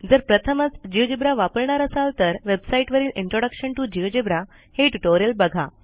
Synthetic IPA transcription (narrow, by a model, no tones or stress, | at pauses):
d͡zəɾpɾət̪ʰəmət͡sd͡ʑiʋd͡ʑibɾaʋapəɾɳaɾəsalt̪əɾʋebsaiʈʋəɾiːliɳʈɾoɽəkʂəɳʈud͡ʑiʋd͡ʑibɾa | heʈuʈoɾijəlbəɡʱa